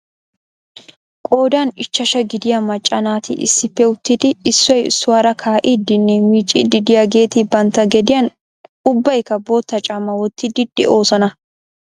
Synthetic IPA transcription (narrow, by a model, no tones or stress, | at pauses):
kʼo̞ːd̪aːnɪt͡ʃːɐʃɐɡɪd̪ɪjɐmɐt͡ʃʼːɐnaːt̪ɪ̰ʔɪ̰sːɪpːɛʊt̪ːid̪ɪɪsːɔjɪsːʊwaːɾɐkʰaːʔid̪ɪnːɛmiːt͡ʃʼːḭd̪ɪd̪ɪjaɡe̞ːt̪ɪbɐnt̪ɐɡɛd̪ɪjɐn | ʊbːɐjkɐbo̞ːt̪ːɐt͡ʃʼɐmɐwɔt̪ːɪd̪ɪd̪̥ɛ̰ʔo̞ːsɐnɐ